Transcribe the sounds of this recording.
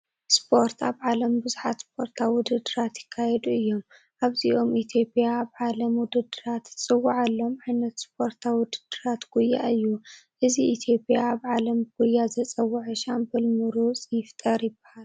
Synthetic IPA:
spʰo̞ɾt̪ʰaβʕalɐmbɨzuħat̪spʰo̞ɾt̪ʰawʊd̪ɨd̪ɨɾat̪jɪkʰːajɛd̪uɨjːo̞m | ʔaβziʔo̞mit̪ʰijo̞pʼjaːβʕalɐmwʊd̪ɐd̪ɨɾat̪t͡sʼɨwːaʕalːo̞mʕajnɐt̪spʰo̞ɾt̪ʰawʊd̪ɨd̪ɨɾat̪ɡ̥ujːa̰ɨjːuʔɨziʔit̪ʰjo̞pʼjaːβʕalɐmɨɡ̥ujːazɐt͡sʼɐwːaʕɨʃambɐlmɨɾut͡sʼɨjɪft̪ʼɐɾjɪbːɐhal

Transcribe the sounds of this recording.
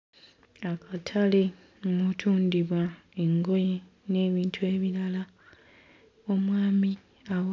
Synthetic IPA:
akʰatʰale | mutʰuːndiβwae̞ŋɡo̞je | ne̞ːβiːntʰue̞ːβiɾala | o̞mwaːmi | a

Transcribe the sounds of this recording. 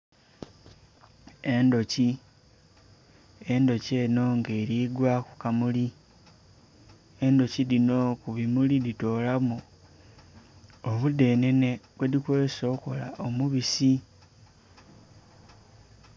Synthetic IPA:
e̞ndo̞ci | e̞ndo̞ce̞ːno̞ŋɡe̞ːɾiɡwaku̥kamuli | e̞ndo̞cilino̞kuβimulidito̞ːlamu | oβude̞ːne̞neβwedikwe̞ːso̞ːko̞la̰ʔo̞muβisi

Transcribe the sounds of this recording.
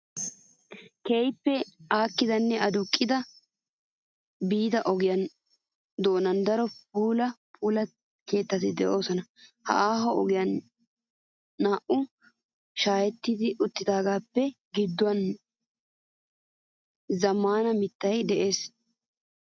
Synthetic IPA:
kejpːɛaːkːɪd̪ɐnːɛʔɐd̪ʊkʼːɪd̪ɐ | biːd̪ɐʔɔɡɪjɐn | d̪o̞ːnɐnd̪ɐɾɔpuːlɐpʰuːlɐ | ke̞ːt̪ːɐt̪ɪd̪ɛʔo̞ːsɔnɐhɐ̰ʔaːɦɔɔɡɪjɐn | aːʔʊ | ʃaːjɛt̪ːɪd̪ɪʔʊt̪ːɪd̪aːɡaːpːɛ | ɡɪd̪ːɔwɐn | zɐmːaːnɐmɪt̪ːɐjd̪ɛʔe̞ːs

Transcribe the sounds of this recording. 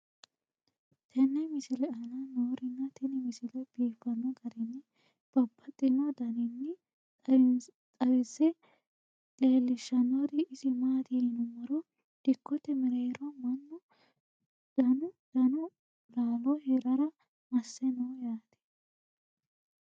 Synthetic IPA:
t̪ʰɛnːɛmɪsɪlɛɐnɐnoːɾɪnːɐt̪ɛnɛmɪsɪlɛb̥iːfːɐnːɔɡɐɾɪnːɛ | b̥ɐbːɐt̪ʼɪnɐd̪ɐnɪnːɛ | t̪ʼɐwɪsɛ | leːlːɪʃːɐnːɔd̪ɪɪsɪmaːt̪inʊmːɐɾɔ | d̪̥ɪkːɔt̪ɛmɛɾeːɾɔmɐnːɔ | d̪̥ɐnʊd̪̥ɐnʊ | laːlɔhɛɾɐɾɐ | mɐsːɛnɔwjaːt̪ɛ̥

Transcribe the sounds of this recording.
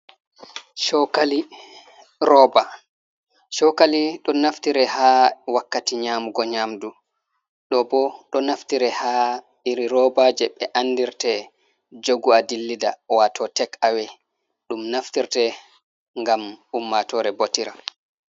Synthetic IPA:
ʃɔkali | ɾɔba | ʃɔkaliɗɔnaftiɾɛhaːwakːatiɲaːmuɡɔɲamdu | ɗɔbɔɗɔnaftiɾɛha | iɾiɾɔbaːd͡ʒɛɓɛʔanːdiɾtɛ | d͡ʒoɡuadilːidawatʰɔtɛkawɛ | ɗumnaftiɾtɛ | ŋɡamumːatɔːɾɛbotiɾa̰

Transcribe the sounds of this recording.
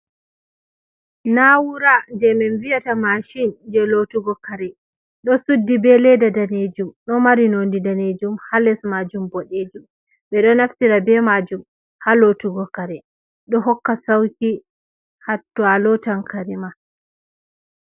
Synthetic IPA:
nawuɾad͡ʒɛmɛnvijatamaʃind͡ʒɛlotuɡɔkaɾɛ | ɗɔsudːibɛlɛdadaned͡ʒumɗɔmaɾinondidaned͡ʒumhalɛsmad͡ʒumbɔɗed͡ʒum | ɓɛɗɔnaftiɾabɛmad͡ʒum | halotuɡɔkaɾɛ | ɗɔɦɔkːasawki | hatːualɔtankʰaɾima

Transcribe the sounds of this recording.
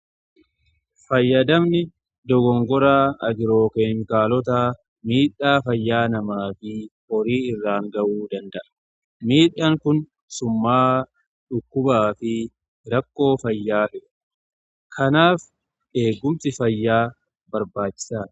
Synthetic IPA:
fɐjːɐd̪ɐmnɪ | d̪ɔɡɔŋɡɔɾaːɐd͡ʒɪɾo̞ːkeŋkaːlɔt̪̬aː | miːᶑːaːfɐjːaːnɐmaːfɪhɔɾiːɪrːaːŋɡɐʔuːd̪ɐnd̪ɐʔɐ̥ | miːᶑːaːŋkʊn | sʊmːaː | ᶑʊkːʊbaːfɪ | ɾɐkːo̞ːfɐjːaːt̪ɪʔ | kʰɐnaːf | e̞ːɡːʊmt̪ɪfɐjːaː | bɐɾbaːt͡ʃːɪ̥saː

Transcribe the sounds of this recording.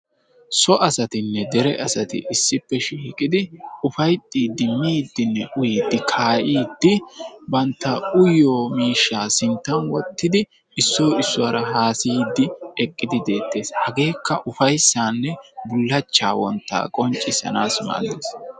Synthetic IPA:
sɔʔɐsɐt̪ɪnːɛd̪ɛɾɛʔɐsɐt̪ɪ̰ʔɪsːɪpːɛʃiːkʼɪd̪ɪʊfɐjt̪ʼːiːd̪ɪmːiːd̪ːɪnːɛʔʊjid̪ːɪkʰaːʔiːd̪ːɪbɐnt̪ːɐʊjoːmiːʃːaːsɪnt̪ːɐnwɔt̪ːɪd̪ɪ | ɪsːoːɪsːʊwaɾɐɦaːsiːd̪ːɪɛkʼːɪd̪ɪd̪e̞ːt̪ːe̞ːshɐɡe̞ːkːɐʔʊfɐjsːaːnːɛbʊlːɐt͡ʃːa̰ːwɔ̰nt̪ːa̰ːkʼɔnt͡ʃʼːɪsɐ̰naːsma̰ːd̪ḛːs

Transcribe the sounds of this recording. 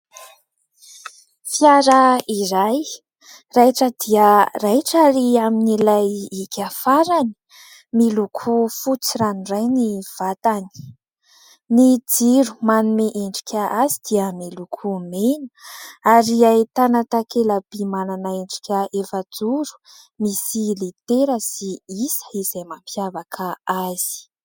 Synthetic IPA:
fiaɾaiɾaj | rajʈ͡ʂəd̪iərajʈ͡ʂaɾiaminilajikʲʰafaɾani̥ | milukʰufut͡siɾanirajniv̥at̪ani̥ | nid͡ziɾu̥manumeʔeɳɖ͡ʐi̥kʲʰaʔazid̪̥iəmilukʰumenə̥aɾiait̪anat̪akelabimananaeɳɖ͡ʐi̥kʲəefad͡zuɾu̥ | misilit̪eɾəsiisə̥iz̥ajmampʰjavakʰaaz̥i̥

